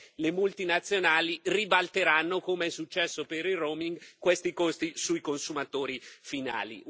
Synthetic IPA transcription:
lemult̪inat̪sːjonaːliribalt̪eɾanːokomeɛsːut͡ʃːɛsːopeɾiroːmiŋɡkwest̪ikost̪isujkonsumat̪oːɾifina̰ːlḭ

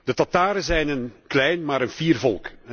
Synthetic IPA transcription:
d̥ətɑtaːɾəzɛjnənklɛjnmaːɾənviːrvɔlˠk

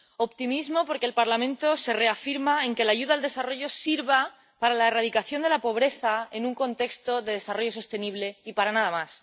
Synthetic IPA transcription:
o̞pt̪imizmo̞po̞ɾkelpaɾlamẽnt̪o̞se̞re̞afiɾmae̞ŋke̞laʝuðaːld̪e̞saro̞ʝo̞siɾβa | paɾalaeraðikaθjo̞nd̪elapo̞β̞ɾe̞θae̞nuŋko̞nt̪e̞kst̪o̞ðe̞ðe̞saro̞ʝo̞s̬o̞st̪e̞niβle̞ipaɾanaðamas

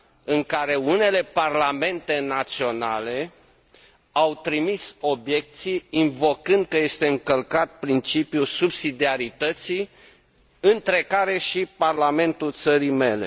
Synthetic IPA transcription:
ɨŋkaɾe̞une̞le̞parlame̞nt̪e̞nat̪sio̞nale̞ | awt̪ɾimiso̞bje̞k̚t̪sijinvo̞kɨnd̪̚kəje̞st̪e̞ɨŋkəlkat̪̚pɾint͡ʃipjusubsid̪iaɾit̪ət̪si | ɨnt̪ɾe̞kaɾe̞ʃiparlame̞nt̪ult̪səɾime̞le̞

